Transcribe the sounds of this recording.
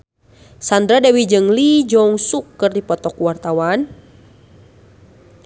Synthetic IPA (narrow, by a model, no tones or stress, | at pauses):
sandɾadawid͡ʒɨŋlid͡ʒɔŋsukːɨrdipɔt̪ɔkuwart̪awan